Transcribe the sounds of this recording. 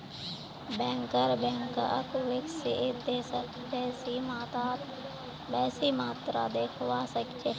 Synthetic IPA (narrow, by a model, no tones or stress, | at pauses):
bɛ̃ːŋkəɾbɛ̃ːŋkəkʋɪksɪɪt̪d̪eːsək | bɛːsimaːt̪aːt̪ | bɛːsiːmaːt̪ɾa̰d̪eːkʰʋaːsəkt͡ʃʰeː